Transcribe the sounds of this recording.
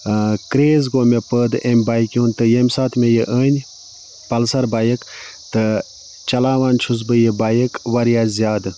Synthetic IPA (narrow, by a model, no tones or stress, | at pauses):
kɾeːzɡoːmepəːd̪ɨemʲbaːjkʲjuːnt̪ɨjemʲsaːt̪ʰmejeʔəːnʲ | pɐlsɐɾbaːjək | t̪ɨ | t͡ʃɐlaːʋaːnʲt͡ʃʰuz̬bɨjebaːjəkʋɐɾjaːzʲjaːd̪ɨ